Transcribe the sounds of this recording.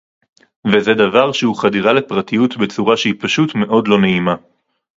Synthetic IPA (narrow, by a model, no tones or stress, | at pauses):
vezedavaʁʃehuχadiʁale̞pʁatijutbe̞t͡suʁaʃeipaʃutme̞ʔo̞dlo̞ne̞ima